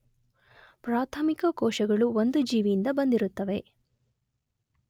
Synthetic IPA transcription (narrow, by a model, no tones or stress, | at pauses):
pɾaːt̪ʰɐmikɐkɔːʃɐɡɐɭuond̪ud͡ʒiːʋijind̪ɐbɐnd̪iɾut̪ːɐʋe̞